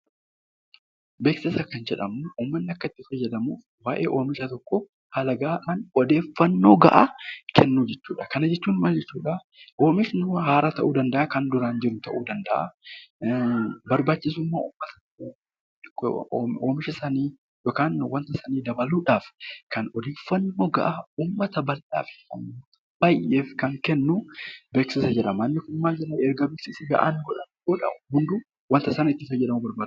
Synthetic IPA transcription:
beːksɪsɐkːɐnd͡ʒɛᶑɐmʊʔuːmːɐnːɪɐkːɐɪt̪ːɪfɐjːɐd̪ɐmuːf | waːʔe̞ːʔoːmɪʃɐt̪ɔkːɔ | hɐlɐɡaːᶑaːnɔd̪e̞ːfːɐnːo̞ːɡɐ̰ʔakʰɛnːuːd͡ʒɛt͡ʃːuːᶑɐkɐnɐd͡ʒɛt͡ʃːuːnmɐld͡ʒɛt͡ʃːuːᶑɐ | ʔoːmɪʃnʊɦaːɾɐt̪ɐʔuːd̪ɐnd̪ɐʔaːkɐnd̪ʊɾaːnd͡ʒɪɾʊt̪ɐʔuːd̪ɐnd̪ɐʔa̰ | bɐɾbaːt͡ʃːɪs̬ʊmːaːʔʊmːɐt̪ɐ̥ | oːmɪʃɐsɐniː | jokaːnwɐnt̪ɐsɐniːd̪ɐbɐluːᶑaːfkɐnɔd̪iːfːɐnːoːɡɐ̰ʔauːmːɐt̪ɐbɐlʔa̰ːfɪ̥uːmːɐt̪ɐ | bɐjːeːfkɐŋkɛnːʊbeːksɪsɐd͡ʒɛᶑɐmɐnːɪkʊnmːaːd͡ʒɪɾɐɛɾɡɐbɪsisɪɡɐ̰ʔa̰ːnɡɔᶑɐnbɔᶑɐ̰hʊnd̪u | wɐnt̪ɐsɐnɪt̪ːɪsɐd͡ʒɛᶑɐmɐbɐɾbaː

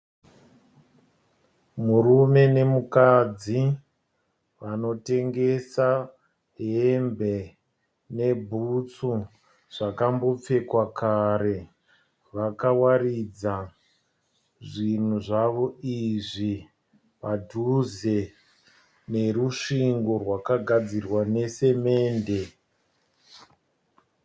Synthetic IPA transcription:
murume̞ne̞mukad͡zi | ʋano̞te̞ŋɡe̞sa | ɦembe̞ | ne̞bʱut͡su | ʐ̥akambo̞p͡fe̞kwakʰaɾe̞ | ʋakawaɾid͡za | ʐin̤uʐaʋo̞iʐi | padʱuze | ne̞ruʂiŋɡo̞rwakaɡʱad͡zirwane̞se̞me̞ːnde̞

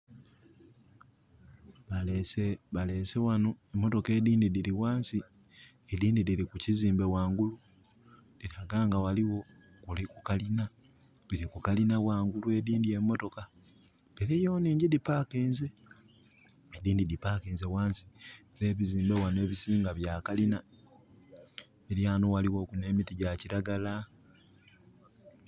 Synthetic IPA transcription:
βaleseβale̞ːsewano̞emːo̞to̞ke̞ːdiːndidiliwaːnsi | ediːndidilikuciziːmbe̞waːŋɡulu | diɾaɡaːŋɡawaliwo̞ | kulikukalina | diɾikukalinawaːŋɡulue̞diːndie̞mːo̞to̞ka | beɾejoːniːɲɟidipakeːnze | ediːndidipakeːnze̞waːnsi̥eɾe̞ːβiziːmbe̞wane̞ːβisiːŋɡaβjaːkalina | eɾjaːnowaliwo̞ːkune̞ːmitiɟaciɾaɡala

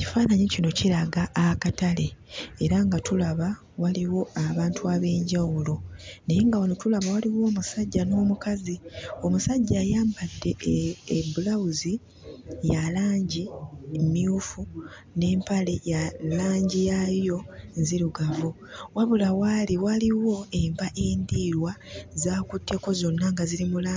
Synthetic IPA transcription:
ci̥faːnaɲecino̞ciɾaɡaʔːkatale̞ːɾaŋɡatulaβa | waliwo̞aβaːntuaβe̞ːɲɟawulo̞nejeŋɡawonotulaβawaliwo̞ːmusaɟːano̞ːmukazio̞musaɟːaːjaːmbadːe̞ː | bulawuzi | jalaːɲɟimiufu | ne̞ːmpalejalaːɲɟijajo̞nziɾuɡavo | waβulawaliwaliwo̞e̞mpaʔeːndiɾwazaːkutːe̞ko̞zo̞nːaŋɡaziɾimula

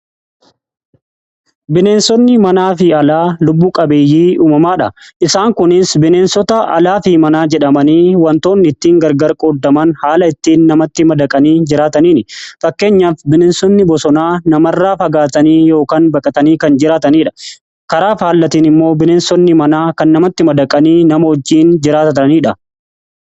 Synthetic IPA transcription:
bɪneːnsɔnːɪmɐnaːfɪɐlaːlʊbːuːkʼɐbeːjːiːuːmɐmaːᶑɐʔɪsaːŋkʊnɪsbɪne̞ːnsɔt̪ɐʔɐ̰laːfɪmɐnaːd͡ʒɛᶑɐmɐniːwɐnt̪o̞ːnːɪɪt̪ːiːŋɡɐɾɡɐɾkʼoːd̪ːɐmɐnhaːlɐɪt̪ːiːnːɐmɐt̪ːɪmɐd̪ɐkʼɐniːd͡ʒɪɾaːt̪ɐniːnɪfɐkːe̞ːɲːaːfbɪneːnsɔnːɪbɔsɔnaːnɐmɐrːaːfɐɡaːt̪ɐniːjo̞ːkaːnbɐkʼɐt̪ɐniːkɐnd͡ʒɪɾaːt̪ɐniːᶑɐ̥ | kɐɾaːfhaːlːɐt̪iːnɪmːo̞ːbɪneːnsɔnːɪmɐnaːkɐnːɐmɐt̪ːɪmɐd̪ɐkʼɐniːnɐmɐhɔd͡ʒːiːnd͡ʒɪɾaːt̪ɐniːᶑɐ

